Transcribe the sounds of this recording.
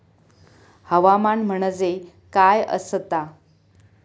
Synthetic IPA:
həʋamanm̤əɳ̃əd͡ze | kajə̰st̪a

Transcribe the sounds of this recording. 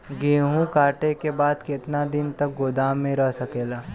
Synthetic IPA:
ɡeːɦũkaːʈekebaːd̪kɪt̪nad̪ɪnt̪ɐk̚ɡoːd̪aːmːẽɾəɦsɐkeːlaː

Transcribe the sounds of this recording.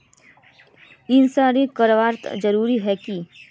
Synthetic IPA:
ɪnsaːɾikəɾʋaːɾt̪d͡ʒɐɾuːɾiɦɛki

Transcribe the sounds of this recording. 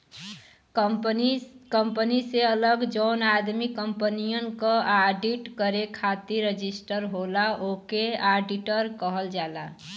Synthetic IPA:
kəmpəniseələɡd͡ʒənad̪mikəmpənijənkə̃ʔaɖiʈkəɾekʰat̪iɾed͡ʒisʈəɾɦolaokeaɖiʈəɾkəɦəld͡ʒala̰

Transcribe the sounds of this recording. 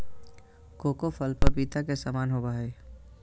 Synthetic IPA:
koːkofʰəlpəɾbiːt̪akesaːmaːnɦobaːeː

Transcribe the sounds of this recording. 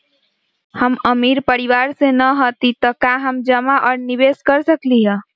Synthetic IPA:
həməmiɾpəɾiʋaɾsenəɦot̪it̪əkaɦəmd͡ʒəmaʔɔːɾnibeskəɾsəkliɦə̃

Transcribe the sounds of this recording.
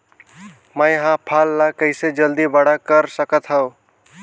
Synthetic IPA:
mə̃jɦãpʰaːlːakəɪsed͡ʒəld̪ibəɽakəɾsəkət̪ɦəʊ̃

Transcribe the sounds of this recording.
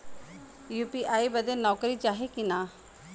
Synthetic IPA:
juːpiʔaːibɐd̪enɔːkɾit͡ʃaːɦekinaː

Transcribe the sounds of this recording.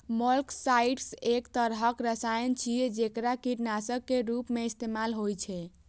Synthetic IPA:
məlksaiʈsekt̪əɾɦəkɾəsajənt͡ʃʰied͡ʒekɾakiʈnasəbkːeɾupmeist̪emalɦojt͡ʃʰɛ

